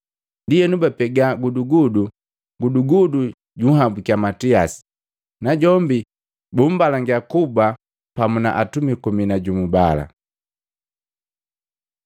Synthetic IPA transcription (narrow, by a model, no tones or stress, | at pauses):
ndijɛnubapɛɡaɡuduɡudu | ɡuduɡudu | ɟuɦabukiamatiasi̥ | naɟɔmbi | bum̩balaŋɡakuba | pamuna̰ʔatumikuminaɟumubala̰